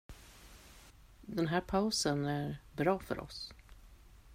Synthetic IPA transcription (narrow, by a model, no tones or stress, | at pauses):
d̪ɛnɦæːɾpʰaʊsənæɾbɾɑːfœ̰ɾʔɔ̰s